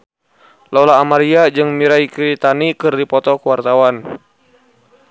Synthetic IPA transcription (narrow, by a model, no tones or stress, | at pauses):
lɔlaːmaɾiad͡ʒɨŋmiɾaikɾit̪anikɨrdipɔt̪ɔkəwart̪awan